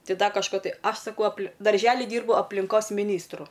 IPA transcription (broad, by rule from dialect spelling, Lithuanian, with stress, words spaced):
ˈtɐɪ ˈdɐ kɐʃˈkoː ˈtɐɪ ˈɐʃ sɐˈkɐʊ ɐplˠ dɐrʲˈʒʲæːlʲɪ ˈdʲiːrbʊ ɐpʲlʲɪŋˈkoːs mʲɪˈnʲiːstrʊ